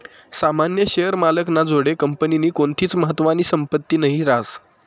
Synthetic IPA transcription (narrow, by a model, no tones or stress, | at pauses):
samanjəɕejəɾmaləknad͡zoɽekəmpəniniːkoɳt̪ʰiːt͡sməɦət̪ːʋaniːsəmpət̪ːiːnəɦiɾas